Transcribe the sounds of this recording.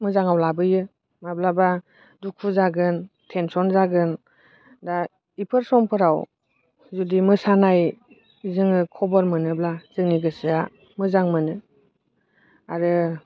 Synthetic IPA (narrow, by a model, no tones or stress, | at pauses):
mɯzaŋawlabɯjɯ | mablaba | duk̚ʰuzaɡɯn | tʰensɔnzaɡɯn | da | ipʰɯɾsɔŋpʰɯɾaw | zudimɯsanaj | izɯŋɯkʰɔbɔɾmɯnɯblaz̥ɯŋniɡɯsɯa | mɯzaŋmɯnɯ | aɾɯ